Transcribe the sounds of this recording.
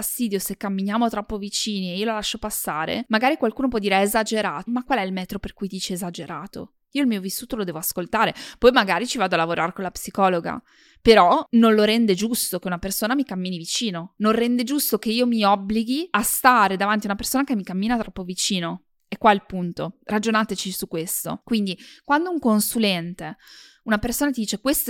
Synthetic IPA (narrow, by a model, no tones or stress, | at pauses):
ast̪iːd̪josekːamːinjaːmot̪ɾɔpːovit͡ʃiːnieiːololaʃːopasːaːɾḛmaɡaːɾikwalkuːnopwɔd̪ːiɾeezad͡ʒeɾaːt̪omakːwalɛilmɛːt̪ɾoperkujd̪iːt͡ʃeːzad͡ʒeɾaːt̪o̰ | iːoilmiːovisːuːt̪olod̪ɛːvoaskolt̪aːɾepɔjmaɡaːɾit͡ʃivaːd̪oalavoɾʔaɾekonlapsikɔːloɡa̰ | peɾɔnonloɾɛnd̪ed͡ʒust̪okeunapersoːnamikamːiːnivit͡ʃiːnonõrɛnd̪ed͡ʒust̪okeiːomiɔbːliɡiast̪aːɾed̪avant̪iaunapersoːnakemːikamːiːnat̪ɾɔpːovit͡ʃiːno | ɛkːwaɛlpunt̪orad͡ʒonat̪et͡ʃisukːwest̪o̰kwind̪ikwand̪ouŋkonsulɛnt̪e | unapersoːnat̪id̪iːt͡ʃekwest̪